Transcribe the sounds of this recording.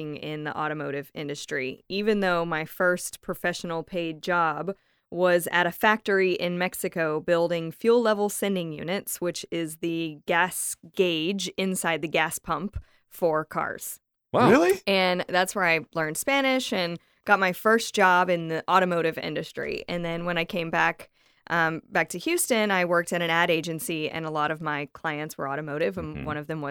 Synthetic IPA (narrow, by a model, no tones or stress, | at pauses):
ɪ̃ŋɪ̃nðḭʔɔ̰ɾɨmoʊɾɨvɪ̰̃ndɨstɹ̥ḭivɨ̃nðoʊmaɪfɜ˞spʰɹ̥ɨfɛʃn̩l̩ˠpʰeɪd̚d͡ʒɑb | wʌzɨ̰ɾɨfæk̚tə˞iʔɪ̃nmɛksɨkoʊbɪlˠdɪ̃ŋfjʉlˠlɛvl̩ˠsɛ̃ndɪ̃ŋjʉ̰nɨtswɨt͡ʃɪzðɨɡæsɡ̥eɪd͡ʒɪ̃nsaɪd̪̚ðɨɡæspʰʌ̃mp | fə˞kʰɑ̰ɹz̥ | waɪlˠiɨ̃nðætswə˞aɪlɜ̃˞nd̥spænɪʃɨ̃n | ɡ̥ɑt̚maɪfɜ˞sd̥ʒ̥ɑbɨ̃nðiʔɔɾɨmoʊɾɨvɪ̰̃ndɨstɹ̥ḭɨ̃nðɨ̃nwə̃ñaɪkʰẽɪ̃mbæk | ʔʌb̥æk̚tʰɨhjʉstɨ̃naɪwɜ˞k̚tɨɾɨ̃næɾeɪd͡ʒɨ̃nsiɨ̰̃nəlɔɾʌvmaɪkʰl̥aɪɨ̃ntswə̰˞ɔɾɨmoʊɾɪvə̃nwʌ̃ñʌvðɨ̃mwʌ